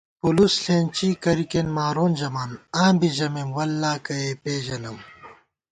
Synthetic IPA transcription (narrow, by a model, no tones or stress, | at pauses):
pulusɬeːnt͡ɕiːkɐɾikenmaːɾoːnd͡ʑɐmaːnãːmbiʑɐmemwɐlːaːkɐepeːd͡ʑɐlɐw